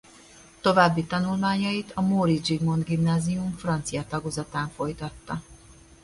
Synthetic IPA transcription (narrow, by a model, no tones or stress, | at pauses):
t̪o̞vaːbːit̪ɒnulmaːɲɒjit̪ɒmoɾid͡ʒiɡmo̞nd̪ɡimnaːzijumfrɒnt̪sijɒt̪ɒɡozɒt̪aːɱfo̞jt̪ɒt̪ːɒ